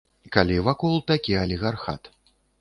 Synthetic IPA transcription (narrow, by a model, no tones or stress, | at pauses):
kalʲivakɔlˠt̪akʲiɐlʲiɣarxa̰t̪